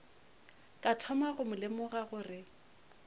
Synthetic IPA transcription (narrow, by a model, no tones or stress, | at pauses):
kʼatʰɔmaɣʊmʊlɪmʊɣaɣʊrɪ